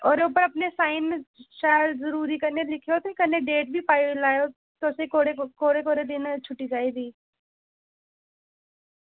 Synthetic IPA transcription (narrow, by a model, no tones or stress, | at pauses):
ɔːɾuːpəɾɐpnesaːɪnʃaːjlzɐɾuːɾikɐɾnelɪkʰeoːt̪ekɐɾneɖeːʈ̚bʱipaːjlaːjo | t̪osekoːɽekoːɽekoːɾed̪ɪnt͡ʃʰʊʈːid͡ʒaːid̪iː